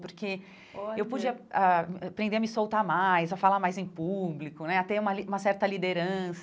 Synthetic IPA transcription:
poɾke | ewpud͡ʒiɐapɾẽnd̪eɐmɪsowt̪amajzafalamajzẽj̃publikʊnɛat̪ɛũmɐliũmɐsɛɾt̪ɐlid̪eɾɐ̃s

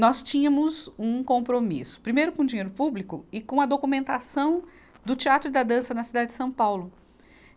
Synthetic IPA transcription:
nɔst͡ʃĩɲɐ̃mʊzũkõmpɾomḭsʊ̥pɾimejɾʊkõd͡ʒiɲejɾʊpublikʊɪkõɐd̪okumẽnt̪asɐ̃w̃ | d̪ʊt͡ʃiat̪ɾʊid̪ɐd̪ɐ̃sɐnɐsid̪ad͡ʒɪd͡ʒɪsɐ̃w̃pawlʊ

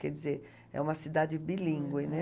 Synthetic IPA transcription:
kɛd͡ʒizeɾ | ɛ̰ũmɐsid̪ad͡ʒɪbilĩŋɡwɪnɛ

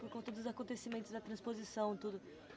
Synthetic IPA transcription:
poɾkõt̪ɐd̪ʊzakõnt̪esimẽnt̪ʊzd̪ɐt̪ɾɐ̃spozisɐ̃w̃t̪ud̪ʊ

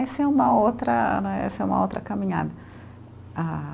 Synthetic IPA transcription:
ɛseũmɐowt̪ɾɐnɛ̃ɛ̰seũmɐ̰o̰wt̪ɾɐkamĩɲa̰d̪ɐ | a

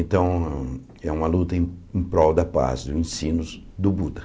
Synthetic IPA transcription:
ẽnt̪ɐ̃w̃ | ɛũmɐlut̪ɐẽẽj̃pɾɔwd̪ɐpa̰zd̪ʊẽsĩnʊ | d̪ʊbud̪ɐ

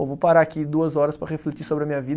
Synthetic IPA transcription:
vowpaɾaakid̪uɐzɔɾɐspɾɐʁeflet͡ʃisobɾɪɐmĩɲɐvid̪

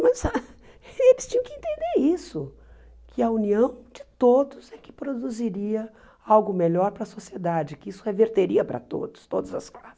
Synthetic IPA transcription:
mɐza | elɪst͡ʃĩɲɐ̃w̃kɪẽnt̪ẽnd̪eɾisʊ | kʰɪɐuniɐ̃w̃d͡ʒɪt̪od̪ʊzɛkɪ̥pɾod̪uziɾiɐ | awɡʊmeʎɔɾpɾɐsosied̪ad͡ʒɪkɪisʊheveɾt̪eɾiɐpɾɐ̰t̪o̰d̪ʊ̥st̪od̪ɐzɐsklasɪs

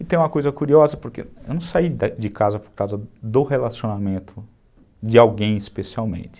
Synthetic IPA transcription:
ɪt̪ẽj̃ũmɐkojzɐkuɾiɔzɐpoɾkeḛwnɐ̃w̃said̪d͡ʒɪkazɐpoɾkawzɐd̪ʊhelasiõnamẽnt̪ʰʊ | d͡ʒɪawɡẽj̃ispesiawmḛ̃nt̪ɪ̥

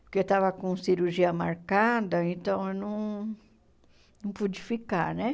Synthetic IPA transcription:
poɾkeewt̪avɐkõsiɾuɾʒiɐma̰ɾkad̪ɐẽnt̪ɐ̃w̃ewnɐ̃w̃ | nɐ̃w̃pud͡ʒifikanɛ

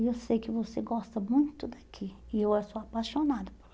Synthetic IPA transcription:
ewsejkɪvoseɡɔst̪ɐmũj̃t̪ʊd̪akʰiɪewɛsoapaʃonad̪ʊpo̥

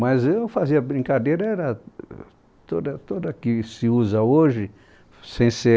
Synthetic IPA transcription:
mɐzewfaziɐbɾĩkad̪ejɾɐɛɾɐ | t̪od̪ɐt̪od̪ɐkɪsɪuzɐoʒɪ | sẽj̃se

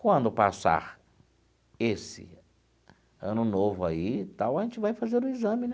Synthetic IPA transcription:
kwɐ̃nd̪ʊpa̰sa̰ɾ | esɪ̰ | ɐ̰̃nʊnovʊait̪awɐʒẽnt͡ʃɪvajfazeɾʊizɐ̃mɪnɛ

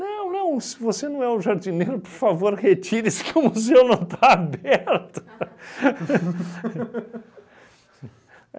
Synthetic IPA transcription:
nɐ̃w̃nɐ̃w̃sɪvosenɐ̃w̃ɛʊʒaɾd͡ʒinejɾʊpoɾfavoɾhet͡ʃiɾɪsɪ̥kɪʊmuzewnɐ̃w̃t̪aabɛɾt̪ʊ̥

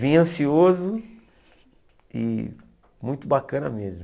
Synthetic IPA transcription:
vĩɲɐ̃siozʊ | ɪ̰ | mũj̃t̪ʊbakɐ̃nɐ̰mezm

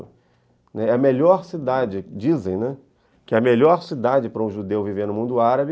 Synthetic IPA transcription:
nɛɛɐmeʎɔɾsid̪ad͡ʒɪd͡ʒizẽj̃nɛ | kɪɛɐmeʎɔɾsid̪ad͡ʒɪpɾɐũʒud̪ewviveɾnʊmũnd̪ʊaɾɐbɪ

